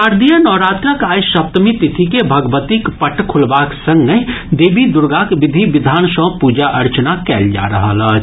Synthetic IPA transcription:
aɾd̪ʱijənɔɾat̪ɾəkajsəp̚t̪mit̪it̪ʰikebʱəɡbət̪ikpəʈkʰulbaksə̃ŋɡmed̪ebʱid̪uɾɡakbid̪ʱibid̪ʱaːnsə̃pud͡ʒaʔəɾt͡ʃənakɛld͡ʒa̰ɾəɦələɦt͡ʃʰ

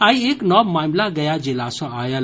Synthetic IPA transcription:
aːieknɔbmaːmlaɡəjad͡ʒelasɔ̃aːjəl

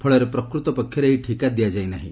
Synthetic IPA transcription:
pʰɔɭɔɾepɾɔkɾut̪ɔpɔkʰjɔɾeeɦiʈʰikad̪ijad͡ʒajnaɦḭ̃

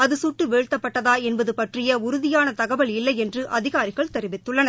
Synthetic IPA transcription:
ɐðɯsʊʈːɯʋeːɻt̪ːɐpːɐʈːɐðaːɛnbɐðɯpɐʈrɪjɐʊɾʊðɪjaːnɐt̪ɐɣɐbɐɭɪlːɐɪɛndrɯʔɐðɪɣaːɾɪɣɐɭt̪ɛɾɪʋɪt̪ːɯɭːɐnɐ

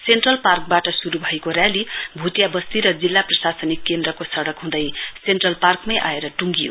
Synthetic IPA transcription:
senʈrʌlpark̚baʈʌsuɾubʱʌjkoɾjalibʱut̪jabʌst̪iɾʌd͡zilːaprʌsasʌnikːend̪rʌkosʌɽʌkɦũd̪ʌjsenʈrʌlparkmajʔaeɾʌʈuŋɡijo̰

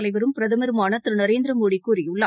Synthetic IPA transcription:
lɐɪʋɐɾɯmpɪɾɐðɐmɐɾɯmaːnɐt̪ːɾɯnɐɾeːnd̪ɾɐmoːɽikːuːɾɪjʊɭːɐ

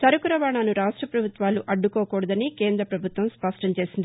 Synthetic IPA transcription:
sɐɾukuɾɐʋaːɳaːnuɾaːʂʈɾɐpɾɐbʱut̪ʋaːluʔɐɖːukoːkɔːɽɐd̪ɐnike̞ːnd̪ɾɐpɾɐbʱut̪ʋɐmspɐʂʈɐmt͡ʃe̞ːsind̪i

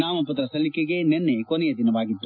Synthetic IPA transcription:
naːmɐpɐt̪ɾɐsɐlikeɡe̞nenːekonɛjɐd̪inɐʋaːɡit̪ːu

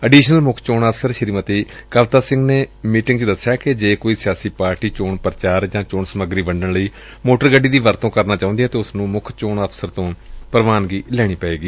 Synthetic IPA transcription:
əɖiːʃnəlmʊkʰt͡ʃoːnaːpʰsəɾʃəɾiːmət̪iːkəʋt̪aːsɪ̃ŋɡneːmiːʈɪ̃ŋɡt͡ʃəd̪əsːɪjaːkɪd͡ʒeːkoːiːsɪjaːsiːpaːɾʈiːt͡ʃoːɳpəɾt͡ʃaːɾd͡ʒãːt͡ʃoːɳsəməɡɾiːbəɳɖəɳləiː | moːʈəɾɡəɖːiːd̪iːʋəɾt̪õːkəɾnaːt͡ʃaːʊ̃nd̪ijaːt̪eːʊsnũːmʊkʰt͡ʃoːɳəːpʰsəɾt̪õːpəɾʋaːnɡiːlɛːɽ̃iːpɛeːɡiː

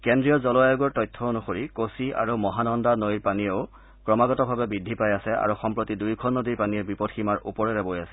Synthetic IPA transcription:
kendɹijɔzɔlɔajɔɡɔɹtɔjtʰːɔonuxoɹikosia̰ɹumɔɦanɔndanojɹpanijoʊ | kɹɔmaɡɔtɔbʱabɛbidʱipajasɛa̰ɹuxɔmpɹotidujkʰɔnːodiɹpaniɛbipɔdxʰimaɹṵpɔɹɛɹɛbojasɛ̥

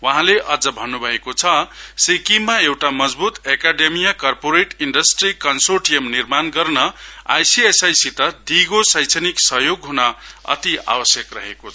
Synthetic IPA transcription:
waɦãleʔʌd͡zʌbʱʌnːubʱʌekot͡sʰʌsikimːaewʈamʌd͡zbut̪ekaɖemijakʌrpoɾeʈiɳɖʌsʈrikʌnsorʈijemnirmanɡʌrnʌa̰jsiesajsit̪ʌd̪ʱiɡosʌjt͡sʰeniksʌɦjoɡɦunaʌ̰t̪ia̰bʌsjʌkrʌɦekot͡sʰʌ

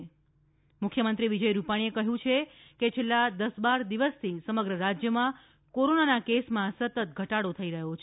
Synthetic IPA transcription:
mʊkʰːjəmənt̪ɾiʋid͡ʒəjɾupaɽ̃iekəɦjũt͡ʃʰe | ket͡ʃʰelːad̪əsbaɾd̪iʋəst̪ʰisəməɡɾəɾad͡ʒjəmã | koɾonanakesmãsət̪ət̪̚ɡʱəʈaɽot̪ʰəiɾəɦot͡ʃʰe

